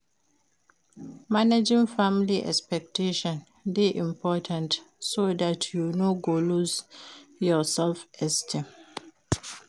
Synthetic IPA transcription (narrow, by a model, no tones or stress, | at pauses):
maned͡ʒĩŋfãmliʔɛ̰kspɛk̚teʃɔ̃n | deʔĩmpʰɔtʰãntsodatʰjunoɡoluzjɔsɛlfɛstʰĩm